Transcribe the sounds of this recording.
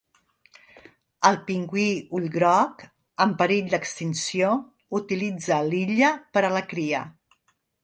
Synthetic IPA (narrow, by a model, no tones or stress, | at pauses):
əlˠpiŋɡwiuʎɣɾɔk | əmpəɾiʎd̪əkst̪insio | ut̪ilid͡zəliʎəpəɾələkɾiə̰